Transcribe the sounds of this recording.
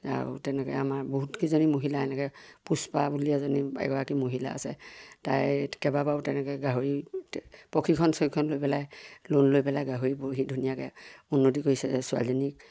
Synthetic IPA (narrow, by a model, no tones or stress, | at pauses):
a̰ɹṵtɛnɛkɛ̰amaɹboɦutkizonimoɦilaajnɛkɛpuspabuliazɔniɛ̰ɡɔɹakimoɦila̰ːsɛta̰jkɛbabaʊtɛnɛkɛɡaɦoɹi | pokʰikʰɔnsɔkʰɔnlojpɛlajlonlojpɛlajɡaɦoɹibuɹɦidʱunijakɛunːotikoisɛsʊa̰ldɔnik̚